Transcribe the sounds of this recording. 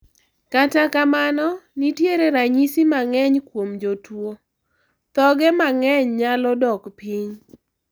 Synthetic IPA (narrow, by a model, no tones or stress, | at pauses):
katakamanɔnitjeɾeɾaɲisimaŋɛɲkwomd͡ʒotwo | t̪ɔɡɛmaŋɛɲɲalɔdɔkpiɲ